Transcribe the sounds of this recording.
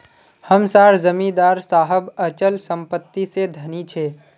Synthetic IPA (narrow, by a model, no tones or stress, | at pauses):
həmsaːɾzəmĩd̪aːɾsaːɦəbət͡ʃəlsə̃mpət̪ːised̪ʱɐnit͡ʃʰeː